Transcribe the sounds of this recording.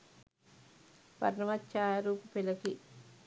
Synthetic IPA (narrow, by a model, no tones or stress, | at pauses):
pɐ̰ɾnɐmɐtːt͡ʃaːɾuːpupilɐki